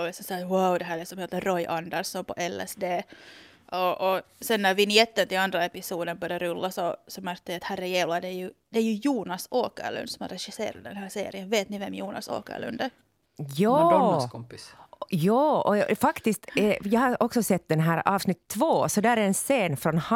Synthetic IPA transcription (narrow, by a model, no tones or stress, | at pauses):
lɪksɔmsɑwawd̪ɛɦæːɾɭɪksɔmheːt̪ːəɾɔjʔɑnd̪əɾsɔnpʰɔ̰ʔɛlːɛ̰sd̪eː | ʔɔʔːsɛnːævɪnɪɛt̪ːənt̪ɪlɑnd̪ɾaɛpɪsuːd̪ənbœɾɪjaɾɵlːasɔsɔmæɾk̚t̪ɛʋiɑt̪hærːəjeːvlad̪ɛjʉd̪ɛæjʉjuːnɑsoːkə̰ɭʉ̰nd̪sɔmæ̰ɾɛʂɪsḛːɾa̰d̪d̪ɛnhæːsḛːɾɪənveːt̪nɪvɛmjuːnɑ̰so̰ːkə̰ɭʉ̰nd̪æ | jɑːkʰɔmpɪsjɑːɔ̰fɑkt̪ɪst̪ɛjɑhɑɔksɔsɛt̪ːd̪ɛnɦæːɾɑːvsnɪt̪ʰːvoːsɔd̪æːɾæɾɛnseːnfɾɔnh